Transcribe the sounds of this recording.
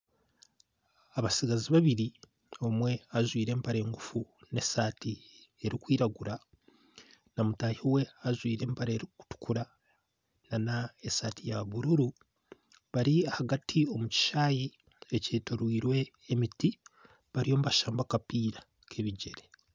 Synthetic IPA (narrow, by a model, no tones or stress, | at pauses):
aβasiɡaziβaβiɾi | o̞mwe̞aʒwiːɾe̞ːmpaɾeːŋɡufune̞saːti | eɾikwiːɾaɡuɾa | namutaːjewe̞aʒwiːɾe̞ːmpaɾeeɾiku̥tu̥kʰuɾa | nanaesaːtʰijaβuɾuɾu | βaɾiahaɡatʰio̞muci̥ʃaːji | eceːtoɾwiːɾwe̞ː | miti | βaɾio̞muβaʃaːmbakapiːɾa | kʰe̞βiɟe̞ɾe